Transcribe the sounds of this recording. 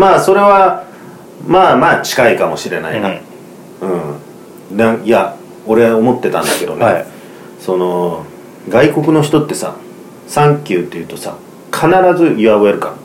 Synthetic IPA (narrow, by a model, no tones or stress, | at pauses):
maːso̞ɾe̞βa | maːmaːt͡ɕi̥kaikamo̞ɕiɾe̞na̰ina | ɯ̟̃ | nãia | o̞ɾe̞omo̞t̪ːe̞t̪ã̰nd̪ake̞d̪o̞̰ne | so̞no̞ | ɡaiko̞kɯ̟no̞çi̥t̪o̞t̪ːe̞sa̰ | sãŋkʲɨːt̪ːe̞jɯ̟ːt̪o̞sa̰ | kʰanaɾazɨiβaβoeɾɯ̟ka